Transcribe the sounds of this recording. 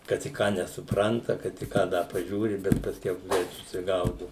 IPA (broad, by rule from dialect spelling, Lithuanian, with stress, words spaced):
kɐt ɪ ˈkɑː nʲɛsʊˈprɐntɐ kɐt ɪ ˈkɑː ˈdɐ pɐˈʒʲuːrʲɪ bʲɛt pɐsʲˈkʲɛʊ ˈɡrʲɛɪt sʊsʲɪˈɡɐʊdʊ